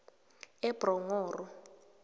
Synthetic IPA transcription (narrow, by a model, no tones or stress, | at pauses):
ɛb̥rɔŋɔːrɔ